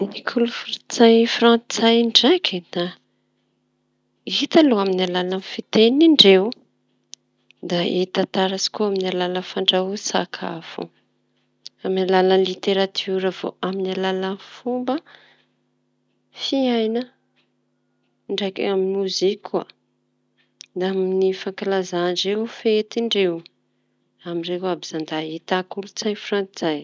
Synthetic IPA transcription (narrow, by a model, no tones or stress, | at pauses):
nikʰulufuɾt͡sajfrãnt͡sajɳɖ͡ʐakid̪a | it̪aloaminalalanfit̪eniɳɖ͡ʐew | d̪ait̪at̪aɾasi̥kuaminalaləfaɳɖ͡ʐausa̰kʰa̰fṵ | aminalaləlit̪eɾat̪ʰuɾəv̥o̰ʔaminalalanfumbə | fiajnə | ɳɖ͡ʐajkḛaminmuzikʲʰa̰ | d̪aminifaŋkalazaɳɖ͡ʐeufet̪iɳɖ͡ʐew | amiɳɖ͡ʐewabizand̪aet̪akulut͡sajfrant͡sizaj